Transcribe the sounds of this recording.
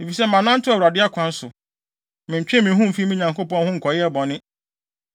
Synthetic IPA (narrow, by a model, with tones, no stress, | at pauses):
e˨fi˨sɛ˦mã˨nã˦n̩˦tʰʊ˦a˨wɾa˨dɪ˦a˦kʷʰã˦n̩˦sʊ˨ | mɪ̃˨ɲ˨t͡ɕᶣɪ̃˦mɪ̃˨ɦʊ̃˦m̩˨fi˦mɪ̃˦ɲã˨ŋko˦pɔ̃˦n˦hʊ̃˦ŋ̩˨kʰɔ˨jɪ˦ɛ˦bɔ̃˨nɪ̃˦